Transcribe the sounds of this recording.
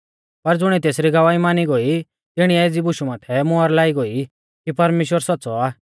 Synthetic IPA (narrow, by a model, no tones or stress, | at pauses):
pɐɾd͡zʊɽ̃ɛt̪eːsɾiɡɐʋaːimaːniɡoi | t̪ɪɽ̃iɛed͡zibʊʃumaːt̪ʰɛmʊəɾlaːiɡoi | kipɐɾmeːʃwəɾswɔtːsɔaː